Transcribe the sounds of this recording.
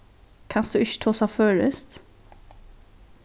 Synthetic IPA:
kʰɑnsd̪ʉːʏçə̥t̪ʰoːsɑføːɾəst̪

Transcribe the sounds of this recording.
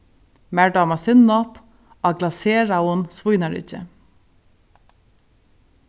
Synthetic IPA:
mæːɖɑːmɑsɪnnɔp | ɑːɡlɑseːɹɑʊnsʋʊjnɑɹɪ̰çə̰

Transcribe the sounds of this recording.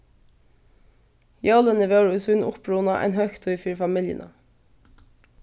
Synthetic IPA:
jɑlənəʋeːɹʉsʉnʔʊpɹuːnɑʔæ̰ːnhœçt̪ʰoɪfyːɾfɑmɪljə̰nʔə

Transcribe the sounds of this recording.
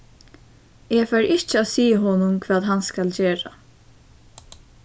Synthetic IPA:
ɛfaɾɪht͡ʃɪaːsiːɦɔːnʊmkʰvaːðɦanskalt͡ɕeːɾa̰

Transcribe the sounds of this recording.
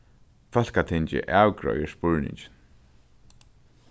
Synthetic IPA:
fœl̥kat̪ʰɪɲt͡ɕɪ̰ʔawkɹɔ̰jɪspʊɹnɪ̰ɲt͡ʃɪn

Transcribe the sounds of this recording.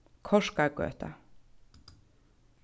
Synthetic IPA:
kʰɔʂkaɡø̰ːt̪ʰa̰

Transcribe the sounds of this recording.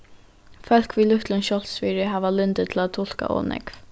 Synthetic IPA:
fœl̥kviːlʏht̪lʊnʃɔlsfiːɾɪɦaːʋalʏnt̪ɪt̪ʰɪlat̪ʰːʊl̥ka̰ʔɔ̰ːnɛ̰kv

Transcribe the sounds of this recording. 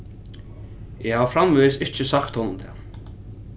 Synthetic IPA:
ɛhavfɾamvesɪht͡ʃɪsakt̪hɔnʊmt̪ʰɛ̰ː

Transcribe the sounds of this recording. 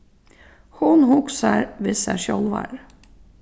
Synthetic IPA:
hʊnɦʊksaɾvɪsaʂɔlvaɾ

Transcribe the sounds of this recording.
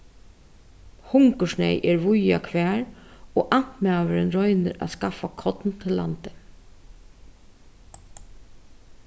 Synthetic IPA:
hʊŋkəʂɳɛ̰jʔɛɹʋʊjakʰʋæːɹoːʔan̥t̪mæːʋəɾɪnɾɔʏnɪɾa̰skafakʰɔt̪nt̪ʰɪllːa̰nt̪ɪ̥

